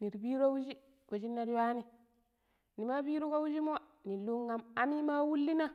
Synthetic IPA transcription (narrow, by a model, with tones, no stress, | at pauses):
ni˨ɾbi˦ɾo˦wu˦d͡ʒi˦ | ko˨d͡ʒi˦nːa˦ɾwa˦ni˦ | ni˨ma˦bi˦ɾu˦ko˦wu˦d͡ʒi˦mo˦ni˨lu˦ŋːa˨ma˨mi˦ma˦wu˦lːi˦na˦